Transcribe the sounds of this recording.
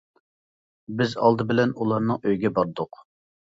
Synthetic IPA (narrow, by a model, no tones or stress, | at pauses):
bɪzɑ̰lˠd̪ɨbɪlɛnulˠɑɾnɨŋøjɡʲɛbɑɾd̪ʊq